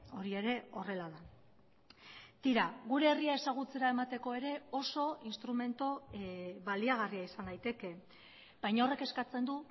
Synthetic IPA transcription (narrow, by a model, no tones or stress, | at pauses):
o̞ɾie̞ɾe̞o̞re̞laða | t̪iɾaɣuɾe̞ːriae̞saɣ̞ut͡se̞ɾae̞mat̪e̞ko̞e̞ɾe̞o̞so̞inst̪ɾume̞nt̪oβaliaɣ̞ariaisand̪ajt̪e̞ke̞ | b̥ajɲaore̞ke̞skat͡se̞nd̪u